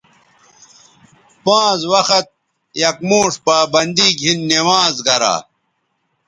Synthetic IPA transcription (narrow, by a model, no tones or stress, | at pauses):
pãːzwɐxɐt̪̚ | jɐkmoːʂpaːbɐnd̪iɡʱinːewaːzɡɐɾa̰ː